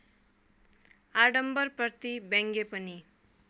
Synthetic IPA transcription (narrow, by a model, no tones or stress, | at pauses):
aɖʌmbʌrprʌt̪ibeŋɡepʌni